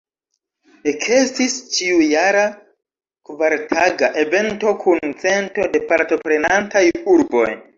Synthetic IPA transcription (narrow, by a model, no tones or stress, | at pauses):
ekʰestist͡ʃiujaɾa | kvaɾtʰaɡaʔe̞ve̞nto̞kʰunt͡se̞nto̞de̞paɾto̞pɾe̞nantajuɾbo̞̰j